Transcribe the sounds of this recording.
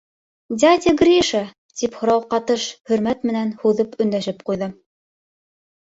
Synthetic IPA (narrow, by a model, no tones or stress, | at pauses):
d̪ʲad̪ʲɪɡrʲiʃa | t̪ʲiphŏɾɑwqɑt̪ɤʃhɵ̆ɾmæt̪mɘ̆nænhuðɤpɵ̆nd̪æʃɘp̚qujðɤ